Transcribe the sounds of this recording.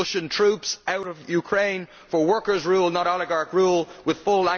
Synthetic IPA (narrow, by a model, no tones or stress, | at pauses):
ʊʃə̃ntʰɹ̥upsaʊɾʌvjʉkʰɹ̥ẽɪ̃n | fə˞wɜ˞kə˞zɹuːlˠnəɾɔlˠɪɡɑɹkɹuːlˠwɪð̥fʊlæ̃